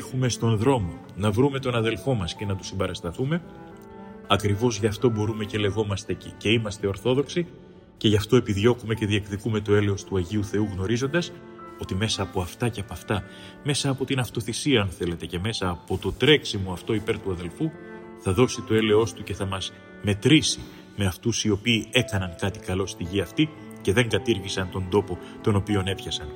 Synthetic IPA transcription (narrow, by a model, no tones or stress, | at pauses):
xume̞st̪o̞nðɾo̞mo̞ | nɐvɾume̞t̪o̞nɐðe̞lfo̞mɐsce̞nɐt̪u̥simbɐɾɐst̪ɐθume̞ | ɐkɾivo̞zʝɐft̪o̞bo̞ɾume̞ce̞le̞ɣo̞mɐst̪ece̞imɐst̪e̞o̞ɾθo̞ðo̞ksi | ce̞ʝɐft̪o̞e̞piðʝo̞kume̞ce̞ðie̞kðikume̞t̪oe̞le̞o̞st̪uɐʝiuθe̞uɣno̞ɾizo̞nd̪ɐs | o̞t̪ime̞sɐːpo̞ɐft̪ɐce̞ɐpɐft̪ɐ | me̞sɐːpo̞t̪inɐft̪o̞θisiɐːnθe̞le̞t̪e̞ce̞me̞sɐːpo̞t̪o̞t̪ɾe̞ksimuɐft̪o̞ipe̞ɾt̪uɐðe̞lfu | θɐðo̞sit̪o̞e̞le̞o̞st̪uce̞θɐmɐz | me̞t̪ɾisi | me̞ɐft̪usio̞piːe̞kɐnɐŋkɐt̪i̥kɐlo̞st̪iʝiɐft̪i | ce̞ðe̞ŋɡɐt̪iɾʝisɐnt̪o̞nd̪o̞po̞ | t̪o̞no̞pio̞ne̞pçɐsɐn